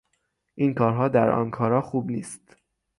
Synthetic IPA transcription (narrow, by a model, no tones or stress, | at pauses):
ʔinkʰɒːɾɦɒːd̪æɾʔɒ̰nkʰɒːɾɒːxuːbniːst̪